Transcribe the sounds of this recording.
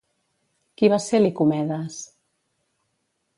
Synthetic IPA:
kiβaselikumɛðas

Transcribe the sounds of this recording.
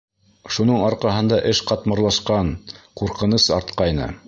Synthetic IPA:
ʃunɤɴɑɾqɑɦɤ̆nd̪ɑʔɘʃqɑt̪mɤ̆ɾlˠɑʃqɑɴquɾqɤ̆nɤsɑɾt̪qɑjnɤ̰

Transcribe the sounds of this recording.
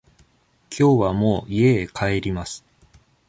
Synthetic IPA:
kʲʰo̞ːβamo̞ːie̞ːkʰae̞ɾʲimasɨ̥

